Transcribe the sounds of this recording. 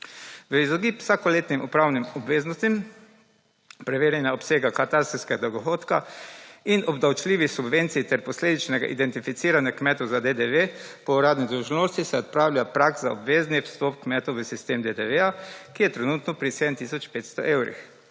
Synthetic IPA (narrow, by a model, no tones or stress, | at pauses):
ʋəizɔɡiːpw̥sakɔleːt̪nimupɾaːwnimɔbʋeːznɔst̪im | pɾɛʋeːɾjɛnjaɔpseːɡakat̪aɾst̪skɛɡad̪ɔɡɔxoːt̪kainɔbd̪awt͡ʃliːʋixsubʋent̪sijt̪ɛɾpɔsleːd̪it͡ʃnɛɡa̰ʔid̪ɛnt̪ifit̪siːɾanjakmɛːt̪ɔzad̪ed̪eʋepɔuɾaːd̪nid̪ɾuʒnoːst̪isɛɔt̪̚pɾaːwlʲjapɾaɡzaɔbʋeːzniwst̪ɔpkmɛːt̪ɔʋəsist̪eːmd̪ed̪eʋeakijɛt̪ɾɛnut̪nɔpɾiseːd̪əmt̪iːsɔt͡ʃpeːt̪st̪ɔʔewɾḭx